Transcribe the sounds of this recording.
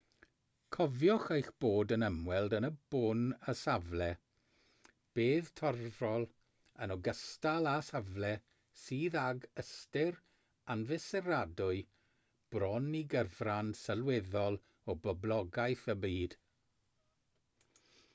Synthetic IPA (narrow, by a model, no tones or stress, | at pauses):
kʰɔvjɔχejxb̥oːdənəmwɛlˠdənəb̥ʊnəsavlɛ | b̥eːðtʰɔrvɔlˠ | ənɔɡəstalˠasavlɛ | siːðaɡəstɪr | anvɪsɛɾadʊɨ | b̥rɔniɡəvransəlˠweðɔlˠ | ɔbɔblˠɔɡajθəbiːd̥